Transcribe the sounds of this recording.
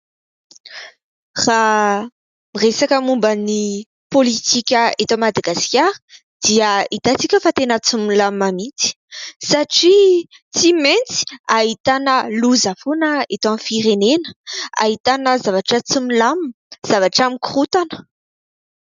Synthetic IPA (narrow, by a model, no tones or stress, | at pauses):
ra | miresakəmumbəni | polit̪ikʲəet̪amad̪aɡaskʲaɾə̥ | d̪̥iəit̪at͡sikʲefat̪enət͡sumilamamint͡si̥ | saʈ͡ʂit͡siment͡si̥ait̪anəluzafunəet̪amfiɾenenə̥a̰ɦit̪anəzavaʈ͡ʂət͡sumilamz̥avaʈ͡ʂamikrut̪anə̥